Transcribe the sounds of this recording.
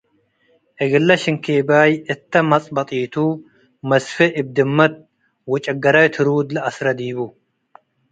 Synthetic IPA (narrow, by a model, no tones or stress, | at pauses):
ʔɛɡɪlːɐʃɪŋkʰeːbaːjɨt̪ːɐmɐt͡sʼbɐt̪ʼiːt̪ʰu | mɐsfɨʔɪb̚d̪ɨmːɐt̪̚ | wɔt͡ʃʼɐɡɐɾɐjt̪ʰɨɾuːd̪lɨɐsɾɐd̪iːbu